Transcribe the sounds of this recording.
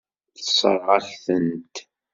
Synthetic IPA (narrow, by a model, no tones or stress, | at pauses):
θəsˤə̰ɾˤʁɑɬθənt̪